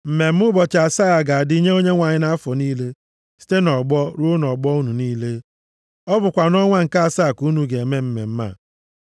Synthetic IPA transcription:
m̩˨me˨m̩˦ʊ˦bɔ˨t͡ʃa˨sa˦a˨ɡa˨a˨dɪ˦i˦ɲe˦o˦ɲe˦ŋʷa˨ɲɪ˦na˦a˦fɔ˨niː˦le˦ | si̥˦te˦nɔ˨ɡ͡bɔ˦ɾu˦nɔ˨ɡ͡bɔ˦u˦nu˨niː˦le˦ | ɔ˦bʊ˨kʷa˨nɔ˦ŋʷa˦ŋ̩˨ka˦a˦˨sa˦˨ku˨˦nu˨ɡe˨e˨me˦m̩˦mḛ˨m̩˦ma̰˦˨

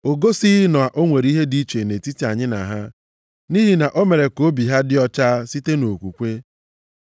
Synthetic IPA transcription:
o˨ɡo˦si˦nɔ˨a˨ʔo˦ŋʷe˨ɾi˦ɦe˦di˦t͡ʃe˨ne˨ti˦ti˨˦a˨ɲɪ˦na̰˨ɦa˦ | ni˦ɦi˨na˨ʔo˦me˨ɾe˨ko˦bi˨ɦa˦dɪ˦ɔ˦t͡ʃa˦si˦te˦no˨kʷu˨kʷe˦

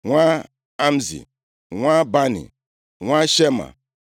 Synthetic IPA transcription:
ŋʷa˦ | a˦m̩˦zḭ˨ | ŋʷa˦ba˦nḭ˨ | ŋʷa˦ʃe˦ma̰˨

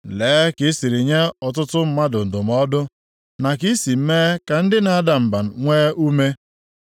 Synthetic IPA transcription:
leː˨˦kɪ˦si˨ɾi˨ɲa˦ɔ˨tʊ˦tʊ˦m̩˦ma˦dʊ˨n̩˨dʊ˨m̩˦ɔ˦dʊ˦ | na˨ki˦si˨m̩˦meː˦ka˨n̩˦dɪ˦na˨a˦da˨m̩˨ba˨n̩˨ŋʷeː˦ʔu˦me˦

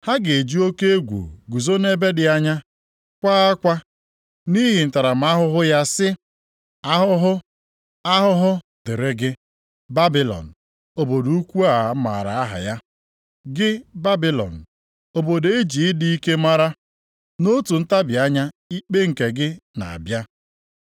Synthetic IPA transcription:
ha˦ɡe˨e˨d͡ʒi˦o˦ke˦e˦ɡʷṵ˨ɡu˨zo˦ne˦be˦dɪ˨a˦ɲa˦ | kʷaː˦a˦kʷa˦ | ni˦ɦɪ˨n̩˨ta˨ɾa˨m̩˨˦a˦ɦʊ˦ɦʊ˦ja˦sɪ˦ | a˦ɦʊ˦ɦʊ˦ | a˦ɦʊ˦ɦʊ˦ | dɪ˨ɾɪ˦ɡɪ˦ | ba˦bi˨lɔ̰˨n̩˨ | o˨bo˨du˦kʷu˦a˨˦ma˨ɾa̰˨a˦ɦa̰˨ja˦ | ɡɪ˦ba˦bi˦lɔ̰˨n̩˨ | o˨bo˨de˦d͡ʒi˨ɪ˦di˦i˦ke˦ma˦ɾa˦ | no˦tu˨n̩˦ta˦bɪ˨a˦ɲa˦ | i˦k͡pe˦ŋ̩˨ke˨ɡɪ˦na̰˨a̰˨bja˦

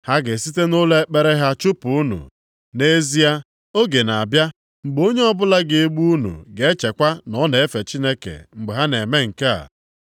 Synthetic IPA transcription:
ha˦ɡɪ˨si˦te˦no˦le˦k͡pe˦ɾe˦ɦa˦t͡ʃu˦pu˨u˦nṵ˨ | ne˦zi˦a˦ | o˦ɡe˨na˨bja˦ | ŋ͡m̩˨ɡ͡bo˦ɲe˦ɔ˦bʊ˦la˦ɡɪ˨e˦ɡ͡bu˦u˦nṵ˨ɡe˦t͡ʃe˨kʷa˦nɔ˨˦ne˨e˦fe˨t͡ʃi˦ne˦kḛ˨ŋ͡m̩˨ɡ͡be˨ɦa˦ne˨me˦ŋ̩˨ke˦a̰˨

